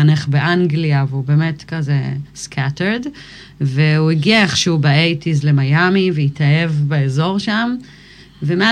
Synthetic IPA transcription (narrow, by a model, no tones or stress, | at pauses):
aneχbeʔaŋɡliaveubeːmetkazeskʰateʁd | veuiɡiaeχʃeubaejtizlemajamiveitʰaevbeezo̞ʁʃam | vemea